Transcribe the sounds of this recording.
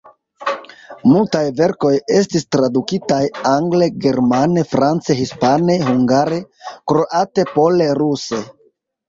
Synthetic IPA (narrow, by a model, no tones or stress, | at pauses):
multajve̞ɾko̞je̞stistɾadukitajaŋɡle̞ɡe̞ɾmane̞fɾant͡seɦispane̞ɦuŋɡaɾe̞kɾo̞ʔate̞po̞le̞ɾuse̞